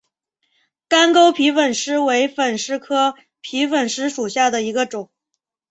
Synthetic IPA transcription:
ka˥nko˥ʊpʰi˧˥fə˨˩nʂɻ̩˥we˧˥ɪfə˨˩nʂɻ̩˥kʰɤ˥ | pʰi˧˥fə˨˩nʂɻ̩˥ʂu˨˩ɕja˥˩d̪ə˩i˧˥ɡə˧ʈ͡ʂʊ˨˩˦ŋ

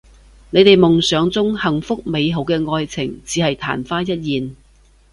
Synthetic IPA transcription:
ne˨˧jt̪e˨jmʊ˨ŋsœː˨˧ŋt͡sʊ˥ŋhɐ˨˩ŋfʊ˥k̚me˨˧jɦo˨˥wkɛː˧ŋɔː˧jt͡sʰɪ˨˩ŋt͡siː˨˥hɐ˨jt̪ʰa̰ː˨˩nfaː˥jɐ˥t̚jiː˨n

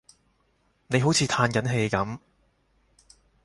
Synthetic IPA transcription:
ne˨˧jɦo˨˥wt͡sʰiː˨˧t̪ʰaː˧nkɐ˨˥nɦe˧jkɐ˨˥m

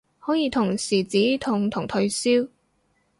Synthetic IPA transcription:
hɔː˨˥jiː˨˧t̪ʰʊ˨˩ŋsiː˨˩t͡siː˨˥t̪ʰʊ˨˩ŋt̪ʰʊ˨˩ŋt̪ʰɵ˧ɥsiː˥w

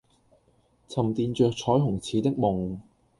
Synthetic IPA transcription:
t͡sʰɐ˨˩mt̪iː˨˧nt͡ʃœː˨˧k̚t͡sʰɔː˨˥jɦʊ˨˩ŋt͡sʰiː˨˥t̪ɪ˥k̚mʊ˨ŋ

